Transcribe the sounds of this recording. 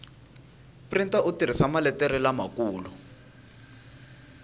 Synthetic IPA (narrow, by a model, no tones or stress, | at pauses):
printaʔutiɾ̤isamalɛtɛɾilamakuːlu